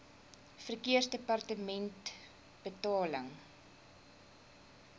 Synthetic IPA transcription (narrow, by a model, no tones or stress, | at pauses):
fərkiərsdəpɐrtəmɛnt | b̥ətɑːləŋ